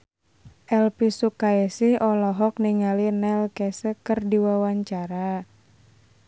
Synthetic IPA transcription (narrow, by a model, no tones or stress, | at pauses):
ʔɛlpisukaɛsihɔlɔɦɔk̚niŋalinɛlkɛsəkɨrdiwawaɲt͡ʃaɾa